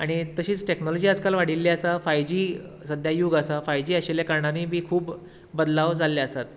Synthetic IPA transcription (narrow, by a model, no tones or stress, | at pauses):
aɽ̃it̪əɕiːt͡sʈeknolod͡ʑiːad͡zkalʋaɽ̤ilːiasafajd͡ʑiː | səd̪ʱjajuɡasafajd͡ʑiːaɕeljakaɾɳaniːbiːkʰuːb | bəd̪laʋd͡zʱalːiasat̪